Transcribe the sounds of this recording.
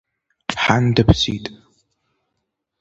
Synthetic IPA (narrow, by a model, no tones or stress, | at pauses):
ħandɨpʰsiːtʼ